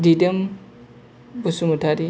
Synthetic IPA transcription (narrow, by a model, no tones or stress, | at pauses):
didəm | busumutʰaɾi